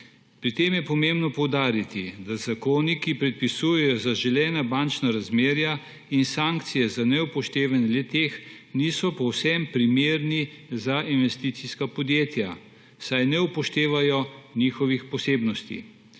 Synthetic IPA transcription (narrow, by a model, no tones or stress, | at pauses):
pɾit̪eːmjɛpɔmembnɔpɔwd̪aːɾit̪id̪azakoːnikipɾɛt̪̚pisujɛjɔzaʒɛlɛːnabant͡ʃnaɾazmeːɾja | insaŋkt̪sijɛzanɛupɔʃt̪eːʋanɛlet̪eːx | niːsɔpɔwsɛmpɾimeːɾnizaʔinʋɛst̪iːt̪siskapɔd̪jeːt̪ja | sajnɛupɔʃt̪eːʋajɔniːxɔʋixpɔseːbnɔst̪ḭ